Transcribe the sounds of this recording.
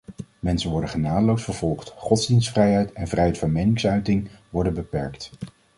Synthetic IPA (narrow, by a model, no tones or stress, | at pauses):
mɛnsənʋɔɹdəχənaːdəlowsfəɹv̥ɔlˠχtχɔdzdinstfrɛjɦɛjtɛnvrɛjɦɛjtfɑnmejnɪŋsœɥtɪŋʋɔɹdənbəpɛɹkt